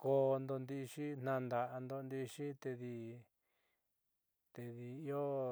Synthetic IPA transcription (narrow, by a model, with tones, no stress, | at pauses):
ko˧nd̪o˧nd̪i˧ʂi˦n̥nã˧nd̪a˨ʔa˧nd̪o˧nd̪i˧ʂi˦t̪e˧ði˧ | t̪e˧ði˧i˦o˦